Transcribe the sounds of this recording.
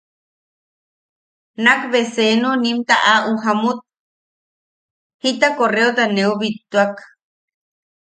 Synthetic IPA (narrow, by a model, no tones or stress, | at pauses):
nakβesenunimt̪aʔaʔuɦamut̪̚ | hit̪akoreot̪aneuβit̪ːuak